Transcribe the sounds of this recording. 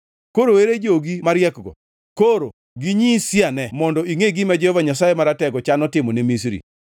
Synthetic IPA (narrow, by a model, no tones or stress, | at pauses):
koɾoweɾed͡ʒoɡimaɾjɛkɡɔ̰ | koɾo | ɡiɲisjanɛmɔndɔiŋeɡimad͡ʒɛhɔvaɲas̬ajemaɾatɛɡɔt͡ʃanɔtɪmɔnemisɾḭ